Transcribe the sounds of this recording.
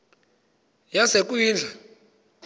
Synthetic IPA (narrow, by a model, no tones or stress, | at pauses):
jasek̬ʼujiːnd͡ɮʱa